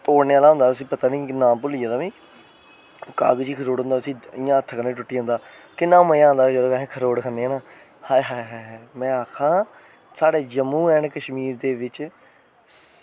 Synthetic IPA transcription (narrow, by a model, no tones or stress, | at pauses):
t̪oːɽneːaːlaːɦʊ̃nd̪aːt̪ʊsĩːpət̪aːnĩːkɪnãːpʊliːãːd̪aːʋĩː | ka̰ːɡt͡ʃiːkʰəɾoːɽɦʊ̃nd̪aːʊsĩːɪjãːət̪ʰːəkəneiːʈʊʈːiːɦõnd̪aː | kɪnːãːmə̃ãːnd̪aːd͡ʒəd̪oːɛ̃ːkʰəɾoːɽkʰəɾneːãːnãː | haːɦaːɦaːɦmɛ̃ːaːkʰãː | saːɽeːd͡ʒəmːũːɛːɳkəʃmiːɾd̪eːʋɪt͡ʃ